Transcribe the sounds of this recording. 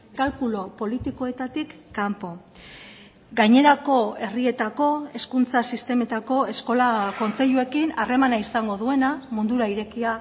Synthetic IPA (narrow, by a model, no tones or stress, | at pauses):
kalkulo̞po̞lit̪iko̞e̞t̪at̪ikːampo̞ | ɡajɲe̞ɾako̞e̞rie̞t̪ako̞e̞skunt͡sasist̪e̞me̞t̪ako̞e̞sko̞lako̞nt͡se̞ʎue̞kinare̞manaisaŋɡo̞ðue̞namund̪uɾaiɾe̞kia